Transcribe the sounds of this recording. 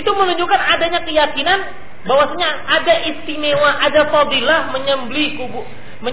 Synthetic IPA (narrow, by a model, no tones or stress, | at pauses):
it̪umənuɲd͡ʒukanadaɲakəjakinan | bawasaɲaːdaʔist̪imewaʔadafad̪ilahməɲəmblikubu | mə